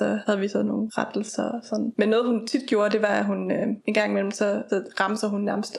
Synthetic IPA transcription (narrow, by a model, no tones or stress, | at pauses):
sɒ̽hæð̞̩ˠʋisɛð̩ˠno̝ːn̩ʁad̥l̩sɐsɒ̽nmenːɔːð̞̩ˠhunt͡sʰid̥̚ɡ̥jo̝ːɐd̥e̝ʋɑ̈æɦunøe̝nɡ̥ɑ̈ŋ̰imel̰m̩sɒ̽ʁɑ̈msɐhunːæɐməsd̥